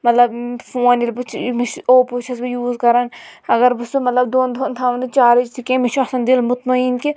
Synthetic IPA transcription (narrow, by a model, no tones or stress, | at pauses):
mɐt̪lɐbfoːnilbɨt͡ʃʰmit͡ʃoːput͡ʃʰɐsbijuːzkɐɾɐnɐɡɐɾbɨsumɐt̪lɐbd̪oːnd̪ont̪ʰaːʋnd̪it͡ʃaːɾit͡ʃt̪ʰikẽːmiʃʰɐsɐnd̪ilmʊt̪mɐiːnki